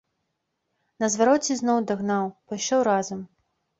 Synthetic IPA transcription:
nɐzvaɾɔt͡sʲiznɔwd̪ɐɣnawpɐjʃɔwɾazɐm

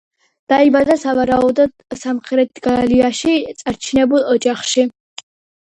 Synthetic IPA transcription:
d̪̥aibad̪asavaɾaɔbd̪ɔd̪samχɾɛt̪̚ʰɡaliaʃit̪sʼaɾt͡ʃʰinɛbulˠɔd͡ʒaχʃi

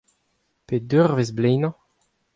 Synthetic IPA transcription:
ped̪øʁvezblɛjnɑ̃

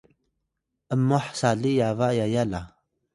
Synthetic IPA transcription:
ʔəmːɔħsalijavaʔjajala

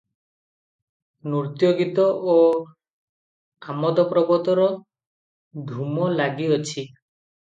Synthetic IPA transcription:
nuɾt̪joɡit̪ɔʔo | amɔd̪ɔpɾɔbɔt̪ɔɾɔ | d̪ʱumɔlaɡiɔt͡ʃʰi

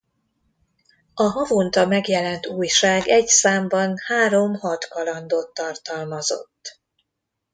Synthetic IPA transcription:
ɒɦɒvont̪ɒmɛɡjɛlɛnt̪uːjʃaːɡɛcsaːmbɒnhaːɾo̞mhɒt̪kɒlɒnd̪oːt̪ːɒrt̪ɒlmɒzo̞̰t̪ː

